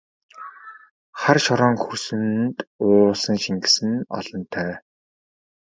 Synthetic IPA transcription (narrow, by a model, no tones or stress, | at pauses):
χarʃɔɾɔːŋxusɘ̆nt̪ʊːsə̆ŋʃiŋɡɘ̆sɘ̆nɔ̰ɮ̥ɞ̆nt̪ʰæː